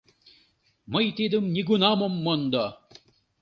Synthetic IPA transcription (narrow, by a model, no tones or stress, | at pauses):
məjt̪id̪ɯmnʲiɡunɑmomːond̪ɔ